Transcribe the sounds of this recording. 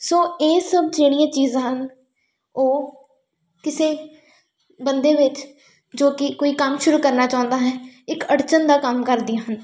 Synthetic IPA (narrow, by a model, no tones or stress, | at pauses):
soːeːsəb̚d͡ʒeːɽ̃ijãːt͡ʃiːzãɦən | oː | kɪseː | bənd̪eːʋɪt͡ʃ | d͡ʒoːkɪkoːiːkəmʃʊɾuːkəɾnaːt͡ʃaːʊ̃nd̪aːɦɛːɪkəɽt͡ʃənd̪aːkəmkəɾd̪ijãːɦən